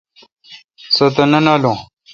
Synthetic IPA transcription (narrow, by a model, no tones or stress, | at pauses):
sɐt̪ɐnɐnaːlõ